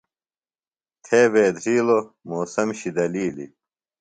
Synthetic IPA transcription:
t̪ʰeːbeːd̪ʱɾiːlo | moːsɐmɕid̪ɐliːlḭ

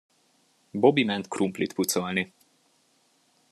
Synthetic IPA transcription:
bobimɛnt̪kɾumplit̪put̪sɔlni

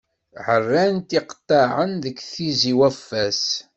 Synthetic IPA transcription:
ʕərːænt̪iqt̪ˤːɑʕənðəkːθiziwæfːæs

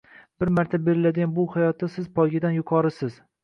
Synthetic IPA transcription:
b̥ɪɾmaɾt̪ʰabe̞ɾɪlad̪ɪɡʲanbʊhajɒt̪ːasɪzpʰɒjɡʲɪd̪anjʊqʰɒɾɪsɪz̥

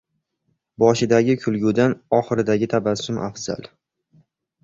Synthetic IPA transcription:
bɒʃɪd̪aɡʲɪkʲʰʊlˠɡʲud̪anɒχɨɾɪd̪aɡʲɪt̪ʰabasʊmʔa̰fz̥a̰lˠ

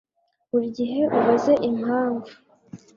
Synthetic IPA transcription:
uɾɟiɦe̞ʔuβaze̞ʔimhaːɱvu

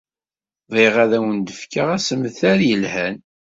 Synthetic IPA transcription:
ðˤeʁaðæwənd̪əfkaʁæsəməθæɾjəlhæn

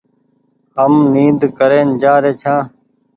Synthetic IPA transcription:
ɦəmniːd̪kəɾeːnd͡ʒaːɾeːt͡ʃʰãː

